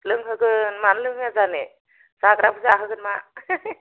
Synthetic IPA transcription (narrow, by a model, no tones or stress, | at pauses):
lɯŋɦɯɡɯnmanlɯŋazane | sakɾapʰɯzaaɦɯɡɯnma